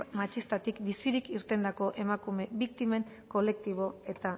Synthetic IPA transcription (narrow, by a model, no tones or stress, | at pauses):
mat͡ʃist̪at̪ikbisiɾikiɾt̪e̞nd̪ako̞ʔe̞makumeβik̚t̪ime̞ŋ | ko̞le̞k̚t̪iβ̞o̞e̞t̪a